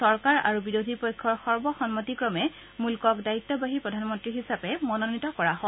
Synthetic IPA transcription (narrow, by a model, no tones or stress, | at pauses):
sɔɹkaɹa̰ɹubiɹodʱipɔjkʰːɔɹxɔɹbɔxɔnmatikɹɔmɛ | mulkɔkdaitːɔbaɦipɹɔdʱanmɔntɹiɦisapɛmɔnɔnitɔkɔɹaɦɔ